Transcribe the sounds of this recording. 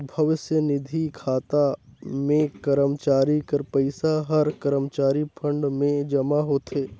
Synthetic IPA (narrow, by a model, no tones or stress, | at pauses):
bʱɐʋɪsjənɪd̪ʱikʰaːt̪amẽkəɾəmt͡ʃaːɾikəɾpɐɪsaɦɐɾkəɾəmt͡ʃaːɾipʰə̃ɳɖmẽd͡ʒɐmaɦoːt̪eː